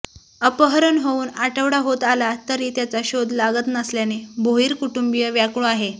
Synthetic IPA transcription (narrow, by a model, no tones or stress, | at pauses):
əpəɦɾənɦouːnaʈəʋɽaɦot̪alat̪əɾiːt̪jat͡saɕod̪ʱlaɡət̪nasljanebʱoiːɾkuʈumbijəʋjakɭoaɦe